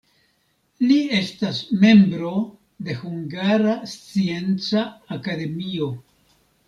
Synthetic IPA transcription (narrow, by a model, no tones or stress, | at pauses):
lie̞stasme̞mbɾo̞ | d̪e̞huŋɡaɾast͡sie̞nt͡saːkad̪e̞mio̞